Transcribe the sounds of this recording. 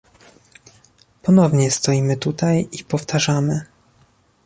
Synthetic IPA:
pɔnɔvɲɛst̪ɔimɘt̪ut̪ajipɔft̪ʰaʐamɘ

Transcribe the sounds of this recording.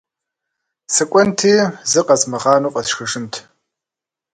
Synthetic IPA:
sɨkʷʼɔntʰiːzɨqɐzmɨʁɑːnuːqʼɐsxɨʂɨmtʰ

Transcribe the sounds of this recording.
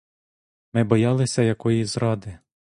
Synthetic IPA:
mɪbɔjɑlˠɪsʲɐjɐkɔjizɾɑd̪ɪ

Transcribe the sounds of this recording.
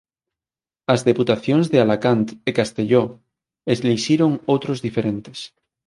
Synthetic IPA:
azðe̞put̪aθjonzðealakant̪ekast̪e̞ʎo | ezliʃiɾoŋowt̪ɾozðifeɾẽnt̪es

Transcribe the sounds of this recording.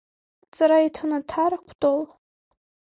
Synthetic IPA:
t͡sʼaɾaitʰanatʰarakʷʰtʼol

